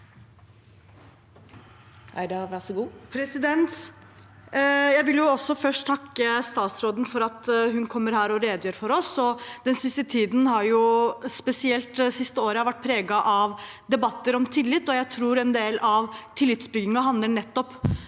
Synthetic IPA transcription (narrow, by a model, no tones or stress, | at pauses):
ʔæɖɛʋæsɔɡuːpʰɾɛsɪd̪ɛnt̪ | jæɪʋɪljʊɔsːɔfœʂʈt̪ʰɑkːəst̪ɑːt̪sɾoːd̪n̩fɔɾɑt̪ɦʉnkʰɔmːəɾhæːɾɔɾeːd̪əjøːɾfɔɾɔsɔd̪̥ɛnsɪst̪ət̪ʰiːd̪n̩hɑɾjʊspɛsɪɛlt̪sɪst̪əoːɾəɑʋæʈ̚ːpʰɾeːɡɑʔɑʋ | d̪ɛbɑt̪ːəɾɔmt̪ʰɪlːɪt̪ːɔjæɪt̪ʰɾuːɾɛnd̪eːlɑʋt̪ʰɪlːɪt̪sbʏɡɪŋɑɦɑnd̪əɳɛt̪ːɔpː